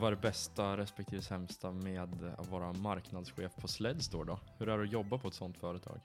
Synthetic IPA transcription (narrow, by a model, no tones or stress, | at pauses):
vaɾbɛst̪aɾɛspɛkt̪ʰiːvsɛmst̪ʰameːd̪a̰t̪vɑːɾamaɾknad̪sɧeːfpʰɔslɛd̪st̪o̰ːɖɔhɵɾæɖɵjɔbːapʰɔɛt̪sɔnt̪fœːɾət̪ʰɑ̰ːɡ